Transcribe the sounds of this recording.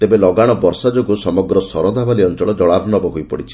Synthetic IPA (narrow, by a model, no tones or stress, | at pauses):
t̪ebelɔɡaɽ̃ɔbɔɾsad͡ʒoɡusɔmɔɡɾɔsɔɾɔd̪ʱabaliɔnt͡ʃɔɭɔd͡ʒɔɭaɾnɔbɔɦojpɔɽit͡ʃʰi̥